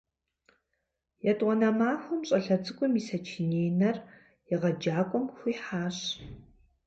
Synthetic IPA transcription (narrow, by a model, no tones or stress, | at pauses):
jɛtʼwɔnɐmaːxʷʊmɕʼɐɬɐt͡sʼɨkʷʼʊmisɐt͡ʃʰɪneːjnɐr | jɪʁɐd͡ʒaːkʷʼɔmxʷiːħaːɕ